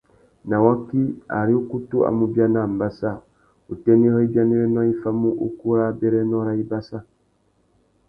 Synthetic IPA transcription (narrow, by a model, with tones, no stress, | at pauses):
na˨wa˦ki˦a̰˨ɾi˦u˦ku˦tu˦a̰˨mu˦bja˦na˨m̩˨ba˦sa˦˨ | u˨tɛ˦ni˦hɔ˦i˦bja˦ni˦ɾɛ˦nwa˦i˦fa˦mu˦ʔu˦ku˦ɾa˦bɛ˦ɾɛ˦nɔ˦ɾa˦i˦ba˦sa˦˨